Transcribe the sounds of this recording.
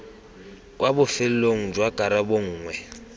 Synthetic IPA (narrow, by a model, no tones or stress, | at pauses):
kwabʊfɪl̩loŋ̩d͡ʒwakʼaɾaboŋ̩ːŋwɛ